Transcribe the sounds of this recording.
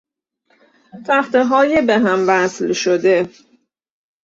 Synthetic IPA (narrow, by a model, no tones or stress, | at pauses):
t̪ʰæxt̪eɦɒːjebeɦæmvæslʃod̪e̞